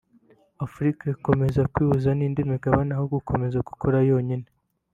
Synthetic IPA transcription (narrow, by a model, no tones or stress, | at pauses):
afɾikaiko̞me̞zakwiːβuzaniːndimeɡaβanahoɡukʰo̞me̞zaɡ̥u̥koɾajo̞ːɲine